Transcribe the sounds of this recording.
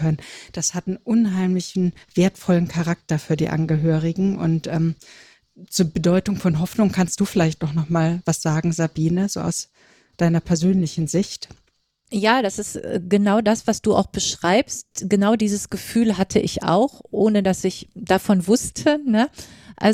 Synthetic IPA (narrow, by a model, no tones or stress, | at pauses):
œnənd̥ashatn̩ʔʊnɦaɪmlɪçn̩v̥eːɐtfɔlənkʰaʁak̚tɐfyːɐdḭːʔa̰nɡəɦøːʁ̞ɪɡŋ̩ʔʊ̰ntʔɛːm | t͡suːɐbədɔʏtʊŋfɔnɦɔfnʊŋkʰanst̚d̥uːfɪlaɪçtaʊxnɔχmaːlvasz̥aːɡŋ̩zabiːnəzo̰ːʔa̰ʊs | d̥aɪnɐpʰɛɐzøːnlɪçn̩zɪçt | jaːd̥asɪstːɡ̥ənaʊdasv̥asd̥uːa̰ʊxb̥əʃʁ̥aɪpstɡ̥ənaʊdiːzəsɡ̥əfyːlɦatʰəʔɪça̰ʊxʔoːnədasɪçd̥afɔnvʊstʰənəʔa̰